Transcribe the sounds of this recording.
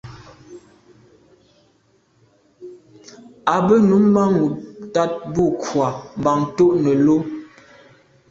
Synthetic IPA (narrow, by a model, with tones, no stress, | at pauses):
a˨bə˦nu˨˦mːa˦ŋu˨ta˦t̚bu˦˨kʰwa˨m̩˨ba˨ŋto˦ʔnə˨lo˦m